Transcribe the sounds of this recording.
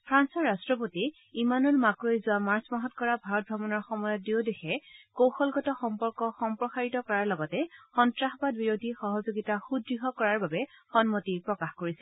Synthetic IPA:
pʰɹansɔɹːastɹɔp̬oti | imanulmakɹojzʊamaɹsmaɦɔtkɔɹabʱaɹɔt̚bʱɹɔbɔnɔɹxɔmɔjɔt̚diodexɛkowxɔlɡɔtɔxɔmpɔɹkɔxɔmpɹɔsaɹitɔkɔɹaɹlɔɡɔtɛxɔntɹaxbadbiɹodʱixɔɦɔzoɡitaxudːiɦɔkɔɹaɹbabɛxɔnmotipɹɔkaxkoɹisɛ

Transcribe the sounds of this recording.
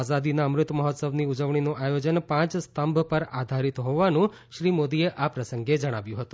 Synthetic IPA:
azad̪inaəmɾʊt̪məɦɔt̪səʋniud͡ʒəʋɳinoʔajod͡ʒənpãt͡ʃst̪əmbʱpəɾad̪ʱaɾit̪ɦoʋanũ | ʃɾimod̪ieʔapɾəsəŋɡed͡ʒəɽ̃aʋjũɦət̪ũ̥

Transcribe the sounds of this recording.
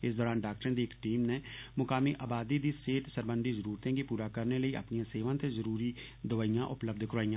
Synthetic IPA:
ɪsd̪ɔːɾaːnɖaːk̚ʈɾẽd̪iːkʈiːmnẽmʊkaːmiʔaːbaːd̪id̪iseːʈsəɾbə̃nd̪izəɾuːɾt̪ẽkipuːɾaːkəɾneləiʔɐ̰pnijãːseːʋãːt̪ezəɾuːɾi | d̪ʊʋaːijãʔʊpləb̚d̪ʱkʊɾaːijã

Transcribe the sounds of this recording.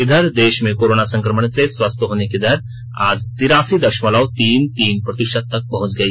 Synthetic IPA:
ɪd̪ʱəɾd̪eːʃmẽkoːɾoːnasɐ̃ŋkɾəməɽ̃seswəst̪ʰɦoːnekid̪ɐɾ | aːd͡ʒt̪ɪɾaːsid̪ɐɾʃmələʊt̪iːnt̪iːnpɾɐt̪ɪʃəd̪̚t̪ːɐk̚pɐɦʊ̃t͡ʃɡɐiː

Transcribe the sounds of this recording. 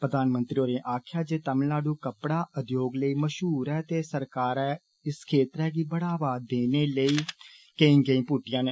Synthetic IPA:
pɾəd̪aːnmənt̪ɾiːoːɾẽːʔaːkʰjaːd͡ʒeːt̪əmnaːɖũːkəpɽaːʔəd̪joːɡləiːməʃɦuːɾɛːt̪eːsəɾkaːɾɛː | ɪskʰeːt̪ɾɛːɡiːbəɽaːʋaːd̪eːneːləiːkəĩːɡəĩːpuːʈɪjãːneː

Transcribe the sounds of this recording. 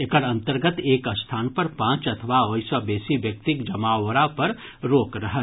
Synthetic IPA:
ekəɾɐ̃nt̪əɾɡət̪eːkəst̪ʰaːnpɐɾpãːt͡ʃɐt̪ʰəʋaoːjsabeːsiʋjɐk̚t̪ɪkd͡ʒɐmaːwəɾapɐɾɾoːkɾɐɦə

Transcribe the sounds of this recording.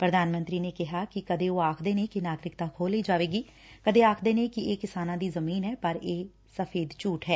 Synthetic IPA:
pɾəd̪aːnmə̃nt̪ɾiːneːkɪɦaːkɪkəd̪eːoːaːkʰd̪eːneːkɪnaːɡɾɪkt̪ãːkʰoːliːd͡ʒaːʋeːɡiː | kəd̪eːaːkʰd̪eːnẽːkɪeːkɪsaːnãːd̪iːzəmiːnɦɛːpəɾeː | səfʰeːd̪t͡ʃuːʈɦɛː

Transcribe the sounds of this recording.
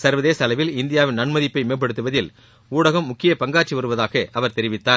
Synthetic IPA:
sɐɾʋɐðeːsɐlɐʋɪlɪnd̪ɪjaːʋɪnnɐɳmɐðɪpːɐɪmeːɾp̬ːɐɽɯt̪ːɯʋɐðɪl | uːɽɐɣɐmːʊkːɪjɐpɐŋɡaːʈt͡ʃiʋɐɾɯʋɐðaːɣɐʔɐʋɐɾt̪ɛɾɪʋɪt̪ːaː

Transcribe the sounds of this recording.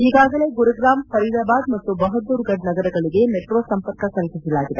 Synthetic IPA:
iːɡaːɡɐle̞ːɡuɾɐɡɾaːmsɐɾilaːbaːd̪mɐt̪ːubɐɦɐd̪ːuːɾɡɐɖnɐɡɐɾɐɡɐɭiɡe̞meʈɾuʋɐsɐmpɐɾkɐkɐlisisɐlaːɡid̪e

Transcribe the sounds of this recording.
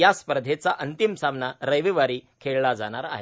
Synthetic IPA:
jaspəɾəd̪ʱet͡saʔənt̪imsamnaɾəjʋiʋaɾiːkʰeɭlad͡zaɽ̃aɾa̰ɦe

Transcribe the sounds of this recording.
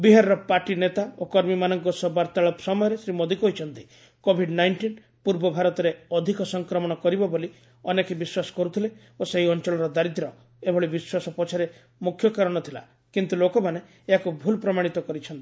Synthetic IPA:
biɦaɾɾɔpaʈinet̪aokɔɾmimanɔŋkɔsɔbaɾt̪aɭɔpsɔmɔjɔɾesɾimod̪ikɔɦit͡ʃʰɔnt̪i̥ | kobʱiɖnajɳʈin | puɾbɔbʱaɾɔt̪ɔɾeɔd̪ʱikɔsɔŋkɾɔmɔɽ̃ɔkɔɾibɔboli | ɔnekebiswasɔ̥kɔɾut̪ʰile | oseɦiɔnt͡ʃɔɭɔɾɔd̪aɾit̪ɾɔ | ebʱɔɭibiswasɔpɔt͡ʃʰaɾe | mukʰːjɔkaɾɔɽ̃ɔt̪ʰila̰ | kint̪ulokɔmane | eɦakubʱulpɾɔmaɽ̃it̪ɔkɔɾit͡ʃʰɔnt̪i̥

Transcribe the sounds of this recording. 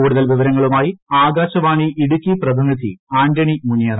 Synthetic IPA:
uːɽuðɐlʋiʋɐɾɐŋːɐɭumaːjiaːɡaːɕɐʋaːɳiʔiɽukʲːiprɐd̪inid̪ʱḭaːɳdɐɳimunːjeːɾ

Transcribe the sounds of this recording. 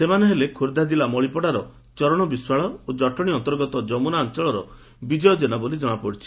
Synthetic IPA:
semaneɦelekʰoɾd̪ad͡ʒilamɔɭipɔɽaɾɔ | t͡ʃɔɾɔɽ̃ɔbiswaɭɔod͡ʒɔʈɔɽ̃iɔnt̪ɔɾɡɔt̪ɔd͡ʒɔmunaːnt͡ʃɔɭɔɾɔ | bid͡ʒɔjɔd͡ʒenabolid͡ʒɔɽ̃apɔɽit͡ʃʰi̥

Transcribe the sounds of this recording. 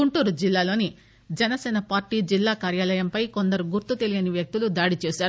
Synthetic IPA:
uɳʈuːɾud͡ʒilːaːlo̞ːni | d͡ʒɛnɐsɛːnɐpaːɾʈiːd͡ʒilːaːkaːɾjaːlɐjɐmpɐjko̞nd̪ɐɾuɡuɾt̪ːut̪e̞lijɐniʋjɐk̚t̪ulud̪aːɽit͡ʃeːsaːɾu

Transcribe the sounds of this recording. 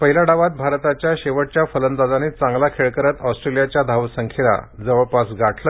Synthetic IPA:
pəɦilaɽaʋat̪̚bʱaɾt̪at͡ɕjaɕeʋəɽ̚t͡ɕjafələnd̪ad͡zanet͡sãŋɡlakʰeɭkəɾət̪ɔsʈɾelijat͡ɕjad̪ʱaʋsəŋkʰela̰d͡zəʋəɭpasɡaʈʰlə

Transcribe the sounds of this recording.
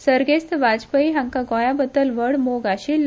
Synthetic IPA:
səɾɡest̪ʋad͡zpəiɦãŋkaɡɔ̃jabəd̪əlʋəɽmoɡaɕil

